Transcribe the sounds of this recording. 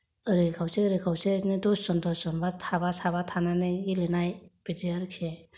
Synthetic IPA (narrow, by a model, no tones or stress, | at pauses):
ɯɾɯkʰawseɾɯkʰawsenedɔsɔndɔsɔnbatʰabasaβatʰananɯɡilenajbidiaɾkʰe